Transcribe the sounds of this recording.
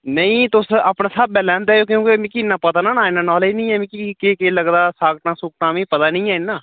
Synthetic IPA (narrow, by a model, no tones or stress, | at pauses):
nəĩːt̪ʊsaːpnãːsaːb̚bɛːlɛːnt̪aːjoːkjõːkemĩːkinːãːpət̪aːnãːnaːɪnːãːnɔːliːnəĩːɛːmĩːkikeːkeːləɡd̪aːsaːɡʈnãːsʊk̚naːmĩːpət̪aːnə̃ĩːaːɪnːaː